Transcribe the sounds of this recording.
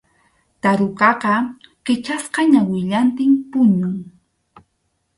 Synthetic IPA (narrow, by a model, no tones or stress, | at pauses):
t̪aɾʊkɑqɑqɪt͡ʃasqɑɲawɪʎant̪ɪmpʊɲʊŋ